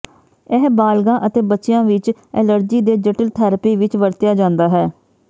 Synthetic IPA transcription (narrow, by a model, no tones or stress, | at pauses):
ɛɦbaːlɡãːʔət̪eːbətːʃɪjãːʋɪt͡ʃɛːləɾd͡ʒiːd̪eːd͡ʒɪʈəlt̪ʰaːɾəpiːʋɪt͡ʃʋəɾt̪ɪjaːd͡ʒãːnd̪aːɦɛː